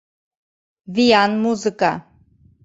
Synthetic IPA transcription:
vijanmuzɨkʼa

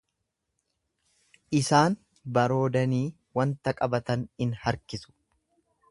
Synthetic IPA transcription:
ʔɪsaːn | bɐɾo̞ːd̪ɐniː | wɐnt̪ɐkʼɐbɐt̪ɐnɪnhɐɾkɪsʊ̥

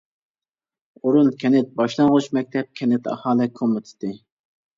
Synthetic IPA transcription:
uɾunkʲʰɛnɪt̪̚bɑʃlˠɑŋʁuʃmɛk̚ʲt̪ʰɛp̚kʲʰɛnɪt̪ʰɑ̰hɑːlˠɪkʰomɨt̪ʰɪ̥t̪ːɪ

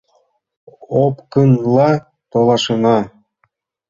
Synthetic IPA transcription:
opkɤnlˠɑ | t̪olˠɑʃɤ̆nɑ

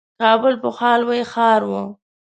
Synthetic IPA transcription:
kɑbʊlpʊxɑlwajxɑɾwu

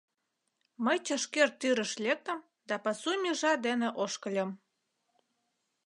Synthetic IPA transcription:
məjt͡ɕəʃkert̪ːyɾə̆ʃlʲek̚t̪ə̆m | d̪ɑpɑsumʲiʒɑd̪eneʔoʃkəlʲə̆m

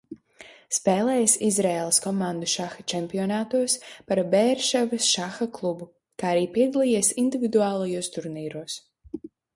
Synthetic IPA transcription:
spɛːlˠɛːjasizɾɛːlˠɐskɔmãnd̪uʃaxat͡ʃɛmpiɔnaːt̪uɔspaɾbɛːɾʃavɐsʃaxaklˠubu | kaːaɾiːpiɛd̪alˠiːjeːsind̪ivʲid̪uaːlˠajuɔst̪uɾniːɾuːs

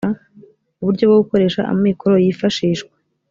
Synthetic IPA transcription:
a | uβuɾɟo̞bɡoɡuko̞ɾe̞ːʃa̰ʔa̰mŋiːko̞ɾojifaʃiːʃkwe̥

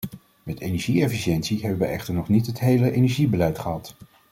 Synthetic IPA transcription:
mɛtenɛɹʒiɛfiʃɛntsiɦɛbəʋəʔɛχtəɹnɔχnitɦətɦejləʔejnɛɹʒibəlɛjtχəɦɑt

